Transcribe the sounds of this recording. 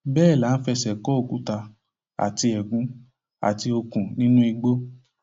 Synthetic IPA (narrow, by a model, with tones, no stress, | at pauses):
bɛː˦˨la˨˦n̩˦fɛ˧sɛ˨kɔ˨˦o˦˨ku˨˦ta˧ | a̰˨ti˧ɛ˨ɡũ˨˦ | a̰˨ti˧o˧kũ˨nĩ˦nũ˦i˧ɡ͡bo˦